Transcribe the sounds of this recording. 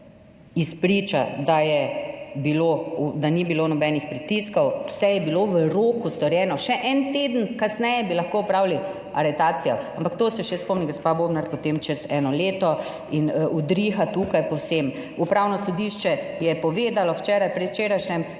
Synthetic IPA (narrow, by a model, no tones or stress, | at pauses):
ispɾit͡ʃa̰d̪ajɛbiloud̪anibiloːnɔbɛnixpɾit̪iskɔwwsɛjɛbiloʋəɾoːkust̪ɔɾjɛːnɔʃɛʔɛnt̪eːd̪ənkasnɛjɛbilɐxkoɔpɾawli | aɾɛt̪aːt̪sijɔampakt̪oːsɛʃɛspɔmniɡospaboːbnaɾpɔt̪emt͡ʃɛzɛːnɔleːt̪ɔ | inud̪ɾixat̪uːkajpɔwsem | upɾawnɔsɔd̪iʃt͡ʃɛjɛpɔʋeːd̪alɔwt͡ʃɛːɾajpɾɛt̪wt͡ʃeːɾajʃnʲɛm